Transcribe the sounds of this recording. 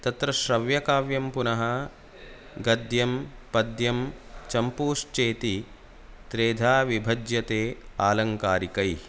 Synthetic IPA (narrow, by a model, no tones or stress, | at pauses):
t̪ɐt̪ɾɐʃɾɐʋjɐkaːʋjɐmpunɐɦɐ | ɡɐd̪jɐmpɐd̪jɐmt͡ʃɐmpuːʂt͡ʃeːt̪i | t̪ɾeːd̪ʱaːʋibʱɐd͡ʒ̪jɐt̪eːaːlɐŋkaːɾikɐj